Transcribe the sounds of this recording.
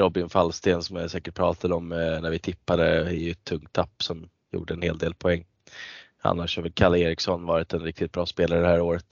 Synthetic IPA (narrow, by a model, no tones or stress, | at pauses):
ɾɔbɪnfalst̪eːnsɔmjasɛːkəʈ̚pʰɾɑːt̪ʰad̪əɔmnæɾvɪt̪ʰɪpːad̪əɪɛt̪ʰːɵŋt̪ʰːapːsɔm | jṵːɖəɛnheːld̪eːlpʰɔɛŋː | a̰nːaʂhavəlkʰaleːɾɪksɔnvɑːɾɪt̪ɛnɾɪk̚t̪ɪt̪̚bɾɑːspeːlaɾəd̪ɛhɦæːɾoːɾət̪